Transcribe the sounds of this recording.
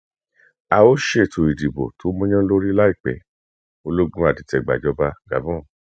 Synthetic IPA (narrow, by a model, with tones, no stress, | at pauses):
a˧o˦ʃe˦˨tʰo˨i˨di˨bo̰˨tʰo˨˦mɔ̃˦j̃ã˦lo˦ɾi˦la˦i˦˨k͡pɛ̰˨ | o˧lo˦ɡ͡bũ˦a˨di˨˦tɛ˨ɡ͡ba̰˨d͡ʒɔ˧ba˧ɡa̰˨bɔ̃˦˨